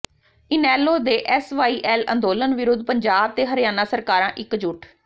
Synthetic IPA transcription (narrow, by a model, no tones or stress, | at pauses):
ɪnɛːlːoːd̪eːʔɛːsʋaːiːʔɛːlə̰̃nd̪oːlənʋɪɾʊd̪̚pəɲd͡ʒaːb̚t̪eːɦəɾɪjaːnaːsəɾkaːɾãːʔɪkd͡ʒʊʈʰ